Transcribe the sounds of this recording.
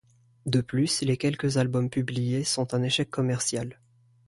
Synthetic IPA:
d̪əplyslekʲɛlkəzalbɔmpyblijesɔ̃t̪ɛ̃neʃɛkʰːɔmɛʁsjal

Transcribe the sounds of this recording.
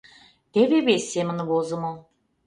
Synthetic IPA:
t̪eβeβesʲːemə̆nβozɤ̆mo

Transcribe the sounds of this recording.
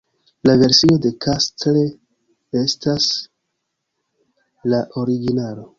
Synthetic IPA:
lave̞ɾsio̞de̞kʰastle | e̞stas | laʔo̞ɾiɡinalo̞

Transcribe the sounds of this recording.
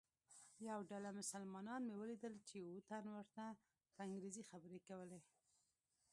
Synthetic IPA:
jawɖalamʊsalmɑnɑnmewəlid̪əlt͡ʃewut̪anwəɾt̪a | pəɪŋɡɾezixabəɾekawəle

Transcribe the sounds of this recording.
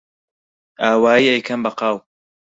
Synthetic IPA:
aːwaːiːejkʰɐmbɐqɑːw

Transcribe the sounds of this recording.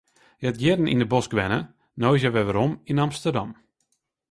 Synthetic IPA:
jɛt̚jɪdən̩ḭndəbɔskʋɛnə | nojs̬jɛʋɛʋəɾɔminamstərdɑm

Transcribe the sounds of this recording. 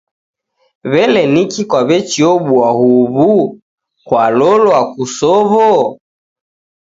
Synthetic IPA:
βɛlɛnikikwaβɛt͡ʃiɔɓuahuβu | kwalɔlwakusɔβɔ

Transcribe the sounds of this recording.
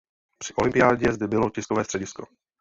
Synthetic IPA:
pr̥ɪʔo̞lɪmpɪjaːɟɛzd̪ɛbɪlocɪskovɛːst̪r̥ɛɟɪsko̞̰

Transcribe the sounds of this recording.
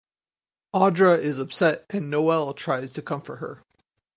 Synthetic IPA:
ɑdɹəɪzʌpsɛɾɨ̃nːoʊɛlˠtʰɹ̥aɪz̥tʰɨkʰʌ̃ɱfə˞hə̰˞

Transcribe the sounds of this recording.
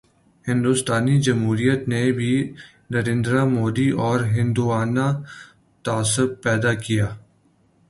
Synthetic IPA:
hɪ̃nd̪ust̪aːnid͡ʒɐmɦuːɾijət̪nebʱi | nɐɾẽːnd̪ɾamoːd̪iʔɔːɾɦɪ̃nd̪uaːna | t̪aːsʊb̚pɛːd̪akijaː

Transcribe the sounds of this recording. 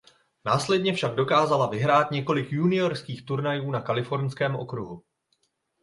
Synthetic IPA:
naːslɛdɲɛfʃaɡdo̞kaːzalavɪɦɾaːt̪ɲɛko̞lɪkjunɪoɾskiːxt̪uɾnajuːnakalɪfo̞ɾɲskɛːmʔo̞̰kɾuɦu

